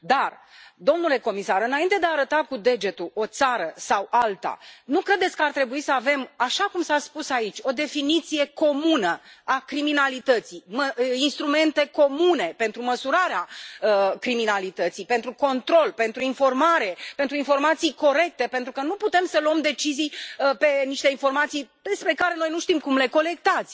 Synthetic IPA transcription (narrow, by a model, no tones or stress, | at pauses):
d̪ard̪o̞mnule̞ko̞misaɾɨnaint̪e̞d̪eaːɾət̪akud̪e̞d͡ʒe̞t̪uo̞t̪saɾəsawʔalt̪a̰nukɾe̞d̪et̪sʲkəart̪ɾe̞buisəave̞maʃakumsaspusait͡ʃʲo̞d̪e̞finit̪sije̞ko̞munəakɾiminalit̪ət̪sijməinst̪ɾume̞nt̪e̞ko̞mune̞pe̞nt̪ɾuməsuɾaɾeaəkɾiminalit̪ət̪sijpe̞nt̪ɾuko̞nt̪ɾo̞lpe̞nt̪ɾuinfo̞rmaɾe̞pent̪ɾuinfo̞rmat̪sijko̞ɾe̞k̚t̪e̞pe̞nt̪ɾukənuput̪e̞msəluəmd̪e̞t͡ʃizijpe̞niʃt̪e̞info̞rmat̪sijd̪espɾe̞kaɾe̞nojnuʃt̪imkumle̞ko̞le̞k̚t̪at̪sʲ